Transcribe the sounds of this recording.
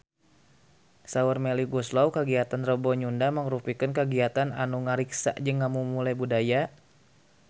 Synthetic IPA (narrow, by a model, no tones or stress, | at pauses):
saurmeliɡuslɔwkəɡiat̪anrəbɔɲundaməŋɾupikənkəɡiat̪ananuŋaɾiksa̰ʔd͡ʒəŋːamumulajbudaja